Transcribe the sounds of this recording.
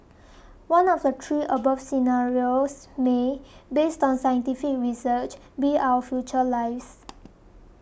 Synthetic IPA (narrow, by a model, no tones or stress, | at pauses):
wãnɔfdət̪ʰɹiʔəbafsinaɹiosmebestɔ̃nsajə̃ntifik̚ɹisət͡ʃ | biʔawəfjut͡ʃəlaɪfs